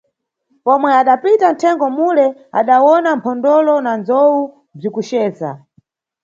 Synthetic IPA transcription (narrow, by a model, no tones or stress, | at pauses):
pɔmwɛaɗapitan̩tʰɛŋɡɔmulɛa̰ɗawɔnampʰɔndɔlɔnand͡zɔwu | b͡ʐikuʃɛːza̰